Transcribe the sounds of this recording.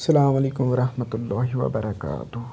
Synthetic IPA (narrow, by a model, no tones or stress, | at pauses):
sːɐlaːmaleːkʊmʋɐɾɐhmɐt̪ʊlːaːɦiʋɐ̰bɐɾɐka̰ːt̪ʊh